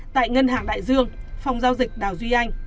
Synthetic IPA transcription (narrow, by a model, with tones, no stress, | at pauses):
t̪a̰ː˧˨jŋə˧nɦaː˨˩ŋɗa̰ː˧˨jzɨ˧əŋfa˨˧˩wŋ͡mzaː˧wzï˨˩k̟̚ɗaː˨˩wzwi˧ʔa˧jŋ̟